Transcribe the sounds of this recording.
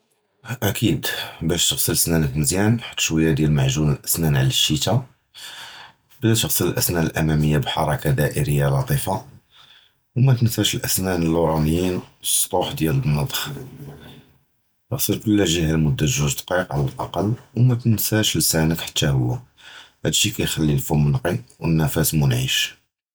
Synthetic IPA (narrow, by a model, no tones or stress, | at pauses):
ʔækʰid̪bæʃt̪əɣsəlsnænəkməzjænħḁt̪ːʃwæjːad̪jælmaʕʒunəlʔæsnænʕlæʃːit̪a | blæt̪əɣsələlʔæsnæəlʔæmæməjːabħɑɾˤɑkad̪æʔəɾəjːalɑt̪ˤifɑ | wmæt̪ənsæʃəlʔæsnænəlːuɾˤɑnəjinsˤɾˤuħd̪jælənːɑd̪ˤx | t̪əɣsˤəɾkʊlːæʒihælmʊd̪ːæt̪ʒuʒd̪qiqʕalælʔɑqɑlːwmæt̪ənsæʃəlsænəkħḁt̪ːæhʊ̰wːæ | hæd̪ʃikæjxælːilfumənqiwənːæfæsmunʕiʃ